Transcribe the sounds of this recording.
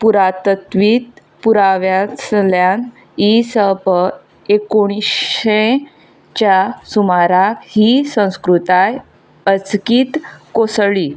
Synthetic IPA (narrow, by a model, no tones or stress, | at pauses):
puɾat̪ət̪ʋiːt̪ | puɾaʋjaljan | isəbʱə | ekoɽ̃isẽ | t͡ɕjasumaɾakhisə̃w̃skɾut̪aj | ət͡skiːt̪kosɭiː